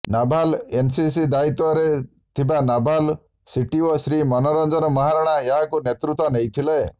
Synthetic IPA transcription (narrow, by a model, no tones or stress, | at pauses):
nabʱalensisid̪ait̪ɔɾe | t̪ʰibanabʱal | siʈiɔsɾimɔnɔɾɔnd͡ʒɔɾɔmɔɦaɾaɽ̃aeɦakunet̪ɾut̪ɔnejt̪ʰile